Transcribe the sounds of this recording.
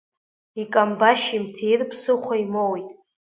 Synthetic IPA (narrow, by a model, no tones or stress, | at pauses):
ikʼambaʃimtʰejrpʰsɨχʷaimowjtʼ